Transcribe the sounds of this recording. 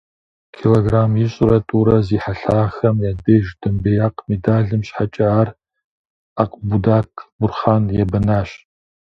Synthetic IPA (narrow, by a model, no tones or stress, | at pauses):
kʰiloɡramjiɕʼrɐtʼuɾɐziħaɬaːxɐmjadeːʒdɨmbejaqʼmedaːɮɨmɕħat͡ʃʼaːr | aqʼbudakʰbʊrχaːnjɛbɐnaːɕ